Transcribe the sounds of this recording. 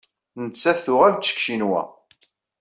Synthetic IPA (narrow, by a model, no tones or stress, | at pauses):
nət͡sːæθʊʁælt͡sːə̥kʃinwæ̰